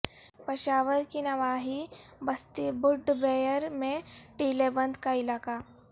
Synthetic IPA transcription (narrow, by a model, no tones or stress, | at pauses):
pɐʃaːʋəɾkinɐʋaːɦibɐst̪ibʊɖbeːjəɾmẽʈiːlebɐ̃nd̪kaɪlaːka